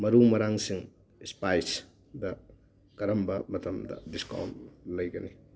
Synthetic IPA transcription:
mɐɾumɐɾaŋsiŋ | ispajs | dɐ | kɐɾɐmbɐmɐtʰɐmdɐ̰diska̰wnlɐjɡɐni

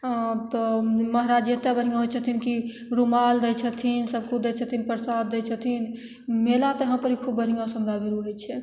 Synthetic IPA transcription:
t̪ɔməɦɾad͡ʒet̪abəɾ̤ĩɡãɦot͡ʃʰət̪ʰinki | ɾumald̪ət͡ʃʰət̪ʰinsəbkud̪et͡ʃʰət̪ʰinpɾsad̪d̪et͡ʃʰət̪ʰin | melat̪eɦãpəɾikʰubːəɾ̤ĩɡãsəmɾabiɾuɦojt͡ʃʰɛ

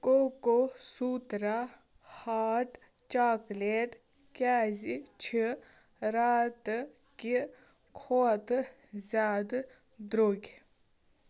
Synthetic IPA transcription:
koːkosuːt̪ɾa | haːʈ | t͡ʃaːkleːʈ | kʲaːzit͡ʃʰi | ɾaːt̪ | ki | kʰoːt̪ | zaːd̪ | d̪ɾoːɡʲ

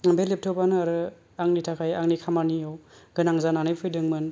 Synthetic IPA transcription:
belep̚tʰɯbanɯaɾɯ | aŋnitʰakʰajaŋnikʰamaniawɡ̥ɯnaŋzananɯjpʰɯjdɯŋmɯn

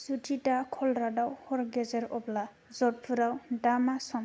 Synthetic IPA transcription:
sutʰitakʰɔlɾadawhɔɾɡɛzɛɾɔbla | zɔt̚pʰuɾawdamasɔm

